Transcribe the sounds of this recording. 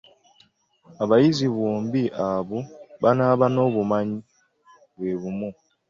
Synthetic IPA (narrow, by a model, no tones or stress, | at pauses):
aβajiziβoːmbiʔaβuβanaːβano̞ːβumaɲi | βwe̞ːβumu